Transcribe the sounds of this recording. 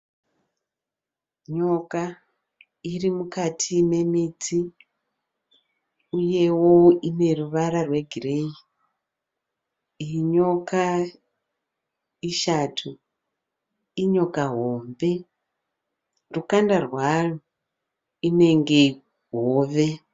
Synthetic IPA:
ɲo̞ka | irimukatʰine̞mit͡si | uje̞woine̞ruʋaɾarwe̞ɡʱirei | ɲo̞ka | iʃatʰu | iɲo̞kaɦoːmbe̞ | rukandarwaru | ine̞ŋɡe̞ | ɦoːʋe̞

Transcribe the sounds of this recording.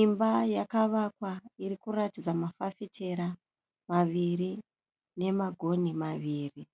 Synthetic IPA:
imbajakaʋakwairikuratid͡zamafafitʰeɾa | maʋiri | ne̞maɡʱo̞nimaʋiːri

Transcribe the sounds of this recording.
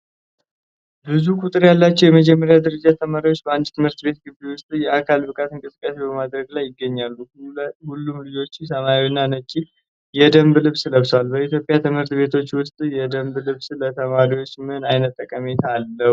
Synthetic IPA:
bɨzukʰʼut̪ʼɨɾjalːat͡ʃːɛwjɛməd͡ʒɛmːəɾjad̪əɾəd͡ʒat̪ʰəmaɾiwot͡ʃːbəand̪t̪ʰɨmhɨɾt̪be̞t̪̚ɡɨbewʊst̪ʼjɛakʰalbɨkʼat̪ɨŋkʼɨsɨkʼːasebəmad̪ɾəɡlajːɪɡːəɲːalːuhulːumlɨd͡ʒo̞t͡ʃːɪsəmawinːanət͡ʃʼːi | jɛd̪əmblɨβsləβswalbəit̪ʰjo̞pʼːjat̪ʰɨmhɨɾt̪be̞t̪ʰo̞t͡ʃːwʊst̪ʼjɛd̪əmblɨβslət̪ʰəmaɾiwo̞t͡ʃːmɨɨnajnət̪ʼːəkʼːəmet̪ʰalːə

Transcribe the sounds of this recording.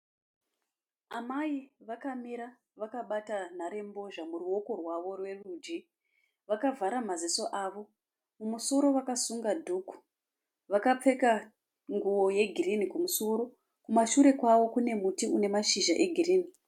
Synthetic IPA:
amaiʋakamiɾa | ʋakaɓatan̤aɾe̞mbo̞ʐamuruo̞ko̞rwaʋo̞rwe̞rud͡ʒi | ʋakavʱaɾamaziso̞ʔaːʋo̞ | mumuso̞ɾo̞ʋakasuŋɡadʱuku̥ | ʋakap͡fe̞ka | ŋɡuwo̞je̞ɡʱirinikumuso̞ɾo̞ | kumaʃuɾe̞kwaʋo̞kune̞mutiune̞maʃiʒaʔe̞ɡʱiriːni

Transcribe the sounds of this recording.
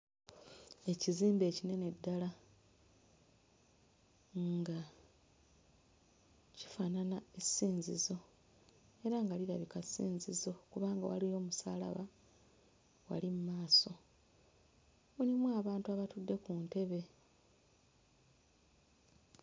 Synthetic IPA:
e̞ciziːmbe̞ːcine̞ne̞dːala | ŋɡa | ci̥fananaesiːnzizo̞ | e̞ɾaŋɡaliɾaβikasiːnzizo̞kuβaːŋɡa̰wa̰lijo̞ːmusa̰ːla̰βa | wa̰limumaːso̞ | muɾimwaːβaːntuaβatudːe̞kunte̞βe̞

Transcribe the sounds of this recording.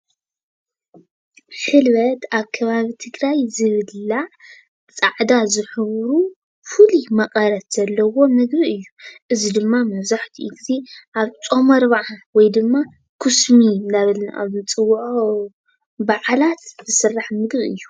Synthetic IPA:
ħɨlβɐt̪aβkʰɐβaβit̪ʰɨɡɾajzɨβɨlːa | t͡sʼaʕd̪azɨħɨβɾu | fɨlimɐqʼɐɾɐt̪z̥ɐlːɐwo̞mɨɡbiɨjːuʔɨzid̪ɨmːamɐβzaħt̪ʰiʔiɡze̞ʔaβt͡sʼo̞mɐɾβaʕawɔjd̪ɨmːa | kʰɨsmindaβɨlnaʔa̰βɨt͡sʼɨwːʕ | baʕalat̪zɨsɨrːaħmɨɡbiʔɨ̰jːu

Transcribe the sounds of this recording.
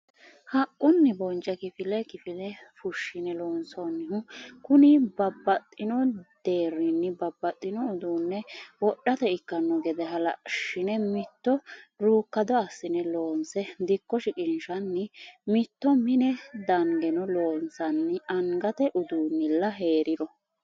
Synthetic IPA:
hɐkʼːʊnːɪbɔnt͡ʃʼɐkɪfɪlɛkɪfɪlɛfʊʃːɪnɛlo̞ːnsonːɪɦʊkʊnɪbɐbːɐt̪ʼːɪnɔd̪̥eːɾːɪnːɪbɐbːɐt̪ʼːɪnɔʊd̪uːnːɛwɔɗːɐt̪ɛɪkːɐnːɔɡɛd̪ɛɦɐlɐ̰ʃɪnɛmɪt̪ːɔɾuːkːɐd̪ɔɐsːɪnɛlo̞ːnsɛd̪ɪkːɔʃɪkʼɪnʃɐnːɪmɪt̪ːɔmɪnɛd̪ɐŋɡɛnɔloːnsɐnːɪɐŋɡɐt̪ɛʔʊd̪uːnːɪlːɐɦe̞ːɾɪd̪ɔ

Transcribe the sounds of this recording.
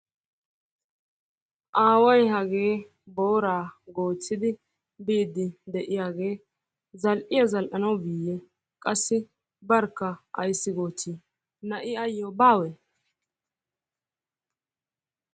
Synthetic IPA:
ʔaːwɐjhɐɡe̞ː | bo̞ːɾaːɡo̞ːt͡sːɪd̪ɪ | biːd̪ːɪd̪ɛʔɪjaːɡe̞ː | zɐlʔɪjɐzɐlʔɐnɐwbiːjɛ | kʼɐsːɪ | bɐɾkːɐɐ̰jsːɪɡo̞ːt͡sːiː | nɐʔɪɐjːobaːwɛ

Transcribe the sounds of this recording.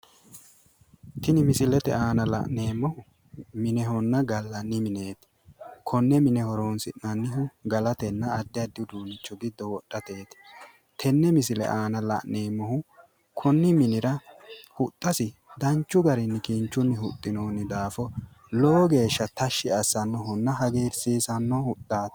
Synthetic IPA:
t̪ɪnɪmɪsɪlɛt̪ɛ̰aːnɐlɐ̰ʔneːmːɔhʊ | mɪnɛɦɔnːɐɡɐlːɐnːɪmɪne̞ːt̪ɪ̥ | kʰɔnːɛmɪnɛhɔɾoːnsɪʔɐnːɪɦʊɡɐlɐt̪ɛnːɐːd̪ːɪjɐd̪ːɪd̪uːnɪt͡ʃːɔɡɪd̪ːɔwɔɗːɐt̪e̞ːt̪ | t̪ʰɛnːɛmɪsɪlɛ̰ʔaːnɐlɐ̰ʔne̞ːmːɔhʊ | kʰɔnːɪmɪnɪɾɐhʊt̪ʼːɐsɪd̪ɐnt͡ʃːʊɡɐɾɪnːɪkiːnt͡ʃːʊnːɪhʊt̪ʼːɪnoːnɪd̪aːfɔ | loːɡe̞ːʃːɐt̪ɐʃːɪɐsːɐnːɔɦɔnːɐɦɐɡeːɾsiːsɐnːɔhʊt̪ʼːaːt̪

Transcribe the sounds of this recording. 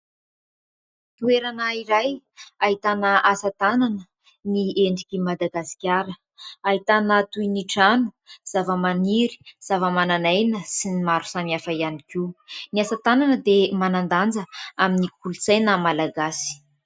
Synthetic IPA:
t̪ueɾanəiɾaj | aɦit̪anəasat̪ananə | nieɳɖ͡ʐikʲimad̪aɡasi̥kʲaɾə | aɦit̪anat̪uiniʈ͡ʂanu̥ | z̥avəmaniɾi̥z̥avəmananajnəsinimaɾu̥samiafəianikiniasat̪ananəd̪emanand̪and͡zəaminikulusajnamalaɡasi̥

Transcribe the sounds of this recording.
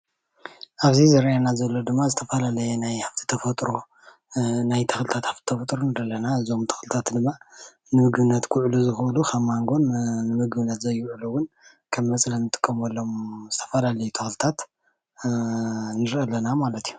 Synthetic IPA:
ʔaβzizɐɾʔanazɐlːod̪ɨmːazɨt̪ʰɐfɐlalɐjɛnajhaft̪ʰi̥t̪ʰɐfɐt̪ʼɾo | najt̪ʰɐxlɨt̪ʰat̪haft̪ʰi̥t̪ʰɐfɐt̪ʼɾonɨd̪ɐlːɐnaɨzo̞mt̪ʰɐ̥xlɨt̪ʰat̪d̪ɨmːa | nɨmɨɡbɨnːɐt̪kʰʊʕluzɨxlukʰɐmːaŋɡo̞nnɨmɨɡbɨnːɐt̪zɐjʊʕuluwʊn | kʰɐmːɐt͡sʼlɐnɨt̪ʼɨ̥kʼːɐmolːomz̥ɨt̪ʰɐ̥fɐlalɐjut̪ʰɐxlɨt̪ʰat̪ | nɨɾʔɐlːɐnamalɐt̪ʰiju

